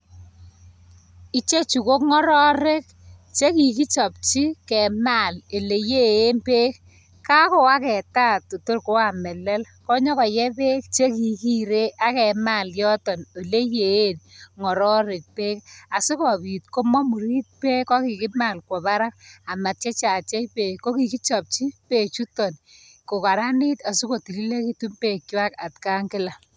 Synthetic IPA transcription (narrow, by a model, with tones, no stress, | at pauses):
i˦t͡ʃe˦t͡ʃu˨ko˦kŋɔ˦ɾɔ˦ɾe˦k | t͡ʃe˦ki˨ki˦t͡ʃɔ˨p̚t͡ʃi˦kɛ˨ma˦˨le˨le˨je˦e˦npe˦k̚ | ka˦ko˨a˦kɛ˨ta˦˨to˨to˦rko˦a˦˨mɛ˨lɛ˦l | kɔ˦ɲɔ˦kɔ˨jɛ˦pe˦k̚t͡ʃe˦ki˨ki˦ɾe˦ʔa˦kɛ˨ma˦˨ljɔ˦tɔ˨no˨le˦je˨e˦nŋɔ˨ɾɔ˦ɾɪ˨k̚pe˦ka˨su˦kɔ˨pi˨t̚ko˦mɔ˦mu˨ɾi˦t̚pe˦kːɔ˦ki˨kɪ˦ma˦˨lkwɔ˨ba˦ɾa˦k̚a˨ma˨t̚t͡ʃe˦t͡ʃa˨t͡ʃɛ˦jpe˨ko˦ki˨ki˦t͡ʃɔ˨p̚t͡ʃi˦pe˨t͡ʃu˦tɔ˨n | ko˨ka˨ɾa˦nɪ˦ta˨su˦ko˨ti˨li˦le˦ki˦tu˦mpe˨k̚t͡ʃwa˦ka˨tka˦ŋkɪ˦la˨